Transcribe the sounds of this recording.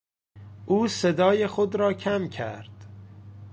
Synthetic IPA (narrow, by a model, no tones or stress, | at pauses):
ʔuːse̞d̪ɒːjexod̪ɾɒːcʰæmcʰæ̰ɾd̪̥